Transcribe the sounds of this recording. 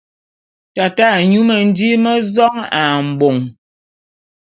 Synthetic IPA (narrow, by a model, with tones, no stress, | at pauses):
ta˨ta˦˨ɲu˦mə˨n̩˦di˦mə˦zɔ˦ŋa˨m̩˨bo˨ŋ